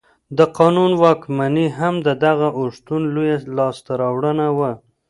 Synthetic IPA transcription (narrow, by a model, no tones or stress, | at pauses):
d̪əqɑnunwɑkmaniɦamd̪əd̪aɣaʔʊʂt̪unlujalɑst̪aɾɑwɽənawa